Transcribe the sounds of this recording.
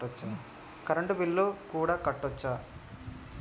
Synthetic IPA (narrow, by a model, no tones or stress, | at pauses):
ɐt͡ʃːa | kɐɾɐɳɖubilːukuːɽaːkɐʈːɔt͡ʃːaː